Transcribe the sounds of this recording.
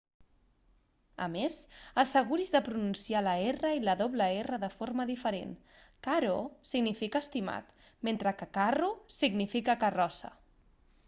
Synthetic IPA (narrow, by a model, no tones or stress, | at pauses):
ə̰mezəsəɣ̞uɾizðəpɾununsialəerəiləðoβləerəðəforməðifəɾḛn | kaɾosiɡnifikəːst̪ima̰t̪ | ment̪ɾəkəkarusiɡnifikəkərɔsə̰